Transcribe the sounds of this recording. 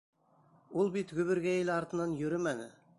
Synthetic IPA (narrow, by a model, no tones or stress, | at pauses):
ulˠbit̪ɡʲɵβɪɾɡʲæjelɑɾt̪ənɑnjɵɾɪmænɪ